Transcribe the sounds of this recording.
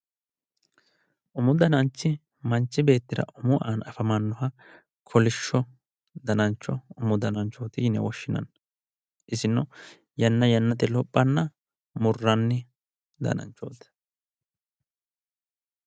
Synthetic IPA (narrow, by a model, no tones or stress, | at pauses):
ʔʊmʊd̪ɐnɐnt͡ʃːɪ | mɐnt͡ʃːɪbe̞ːt̪ːɪɾɐ̰ʔʊmʊʔaːnɐfɐmɐnːɔɦɐ | kʰɔlɪʃːɔ | d̪ɐnɐnt͡ʃːɔʊmʊd̪ɐnɐnt͡ʃːoːt̪ɪjɪnɛ̰wɔʃːɪnɐ̰n | ʔɪsɪnːɔ | jɐnːɐjɐnːɐt̪ɪlɔpʼːɐnːɐ | mʊrːɐnːɪ | d̪ɐ̰nɐ̰nt͡ʃːoːt̪ɐ̥